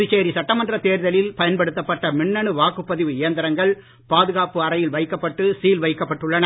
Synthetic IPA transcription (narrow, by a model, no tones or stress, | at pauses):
ɪt͡ʃːeːɾisɐʈːɐmɐndrɐt̪eːɾðɐlɪlpɐjɐnpɐɽɯt̪ːɐpːɐʈːɐmɪɳːɐɳɯʋaːkɯpːɐðɪʋɯɪjɐnd̪ɐɾɐŋɡɐɭ | paːðɯɣaːpɯɐɾɐjɪlʋɐɪkːɐpːɐʈːɯsiːlʋɐɪkːɐpːɐʈːɯɭːɐnɐ